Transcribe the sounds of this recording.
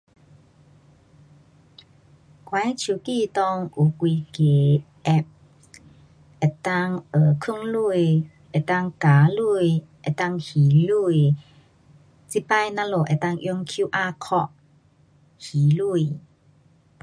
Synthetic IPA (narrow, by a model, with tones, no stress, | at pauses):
kwa˨˦jt͡ɕʰu˨˦kiː˧˨t̪ɔ˧ŋʔu˨kʷwi˧ke˨˩˦ | ʔɛ˧p̚ | ɛ˨˩t̪a˧ŋʔə˨˩kʰu˥˨ŋlu˧˨j | ʔɛ˨˩t̪a˧ŋka˨˦lu˥˧˨jʔɛ˨˩t̪a˧˨ŋhiː˨˦lu˧˨j | t͡si˧˦pa˧jna˧˥lo˨ʔɛ˨˩˨t̪a˧˨ŋʔi˧ŋkʰu˦ʔa˧kʰɔ˧ʔ | hiː˨˦lu˧˨j